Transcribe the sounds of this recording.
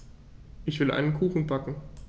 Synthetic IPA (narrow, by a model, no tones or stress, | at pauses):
ʔɪçv̥ɪlʔa̰ɪnənkʰuːxn̩bakŋ̩